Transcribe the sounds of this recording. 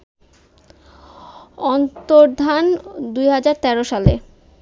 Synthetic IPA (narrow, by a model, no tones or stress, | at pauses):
ɔnt̪oɾd̪ʱand̪ujɦad͡ʑaɾt̪ɛɾoʃale